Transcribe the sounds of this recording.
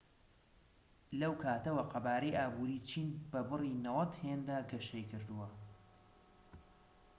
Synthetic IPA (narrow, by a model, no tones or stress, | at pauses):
lɐwkʰaːt̪ɐwɐqɐbaːɾejʔaːbuːɾiːt͡ʃʰiːnb̥ɐbɨriːnɐwɐt̪heːnd̪aːɡɐʃejkʰɨɾd̪uwɐ